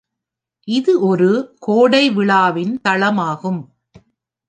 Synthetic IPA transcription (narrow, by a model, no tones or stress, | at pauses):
ʔɪðɯʔɔɾɯkoːɽɐɪʋɪɭaːʋɪnt̪ɐɭɐmaːɣɯm